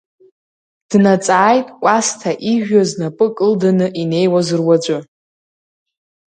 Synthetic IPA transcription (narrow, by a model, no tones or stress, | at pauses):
d̥nat͡sʼaːjtʼkʷʼastʰaʔiʒᶣaznapʼɨkʼɨldanɨʔine̞jwazɨrwad͡ʒʷʊ